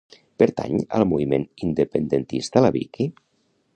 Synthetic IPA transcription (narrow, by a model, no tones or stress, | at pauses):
pəɾt̪a̰ɲə̰lˠmuβimenind̪əpənd̪ənt̪ist̪alaβḭki